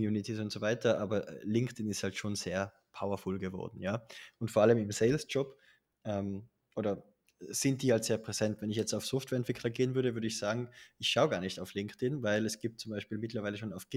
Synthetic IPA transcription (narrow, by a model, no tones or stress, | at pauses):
mjuːnɪtʰis̬ʊntz̥ovaɪtʰɐʔaːbɐʔlɪŋktɪnɪsthaltʃoːnz̥eːɐ | pʰaʊɐfɔlɡəvɔ̰ɐdn̩jaːʊntfoːɐʔaləmɪmseɪlsd͡ʒ̥ɔp | ʔɛm | ʔoːɾɐ | z̥ɪnt̚d̥iːhaltz̥eːɐpʁ̥ɛz̥ɛntvɛnɪçjɛt͡staʊfsɔftv̥ɛɐɛntv̥ɪkʰlɐɡeːənvʏɐɾəvʏɐɾəɪçz̥aːɡŋ̩ɪçʃaʊɡaːɐnɪçtaʊflɪŋktɪnvaɪlɛsɡ̥iːp̚tt͡sʊmbaɪʃpiːlmɪtlɐvaɪləʃoːnaʊfɡ̥